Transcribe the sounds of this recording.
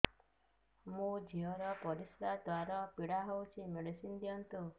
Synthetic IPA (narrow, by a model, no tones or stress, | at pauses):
mũd͡ʒiɔɾɔpɔɾisɾad̪waɾɔpiɽaɦowt͡ʃʰimeɽisind̪ijɔnt̪u